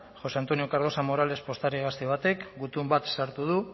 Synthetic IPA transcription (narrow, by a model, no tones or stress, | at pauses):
xo̞seant̪o̞nio̞kaɾð̞o̞samo̞ɾale̞spo̞st̪aɾiɣast̪eβ̞at̪e̞kɡut̪umbat̪saɾt̪uð̞u